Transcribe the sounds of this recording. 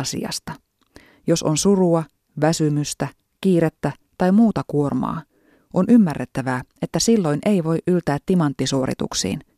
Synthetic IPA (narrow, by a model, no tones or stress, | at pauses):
sḭɑ̰st̪ɑ | jo̞so̞nsuruɑ | ʋæsymyst̪æ | kiːɾet̪ːæ | t̪ɑjmuːt̪ɑkuo̞rmɑ̰ː | ʔonʔymːærːet̪ːæʋæːe̞t̪ːæsilːo̞jnʔe̞iʋo̞jʔylt̪æːt̪ːimɑnt̪ːisuo̞ɾḭt̪ṵksḭːn